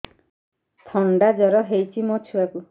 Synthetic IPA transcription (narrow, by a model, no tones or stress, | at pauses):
t̪ʰɔɳɖad͡ʒɔɾɔɦejt͡ʃʰimɔt͡ʃʰuaku